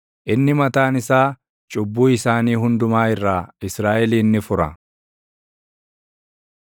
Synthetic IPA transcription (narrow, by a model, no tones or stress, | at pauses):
ʔɪnːɪmɐt̪aːnɪsaː | t͡ʃʼʊbːuːɪsaːniːɦʊnd̪ʊmaːɪrːaːɪsɾaːʔɛliːnːɪfʊɾɐ̰